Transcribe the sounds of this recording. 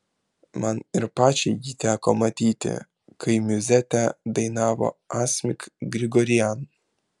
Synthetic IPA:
mɐnɪɾpɑːt͡ʃʲɛɪɡʲit̪ʲæːkomɐt̪ʲiːt̪ʲɪ̰ | kɐɪmʲʊzʲæt̪ʲæd̪ɐɪnɑːʋo̰aːsʲmʲɪkɡɾʲɪɡɔɾʲɪjæn

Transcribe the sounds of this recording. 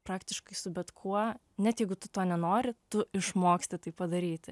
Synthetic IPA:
pɾɑːkt̪ʲɪʃkɐɪsʊbʲɛt̪kʰuɔ | nʲɛt̪jɛɪɡʊt̪ʊt̪oːnʲɛnoːɾʲɪt̪ʊɪʃmoːksʲt̪ʲɪt̪ɐɪppɐd̪ɐɾʲiːt̪ʲ

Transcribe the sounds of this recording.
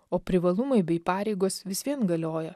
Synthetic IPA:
oːpʲɾʲɪʋɐlˠʊmɐɪbʲɛɪpɑːɾʲɛɪɡoːsʋʲɪsʋʲiɛnɡɐlʲoːjɛ

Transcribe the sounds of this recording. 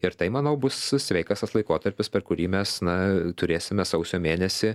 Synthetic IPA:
ɪɾt̪ɐɪmɐnɐʊbʊssʲʋʲɛɪkɑːsɐslˠɐɪkoːt̪ɐɾʲpʲɪspʲɛɾkʊɾʲiːmʲɛsnɐt̪ʊɾʲeːsʲɪmʲɛsɐʊsʲoːmʲeːnʲɛsʲɪ

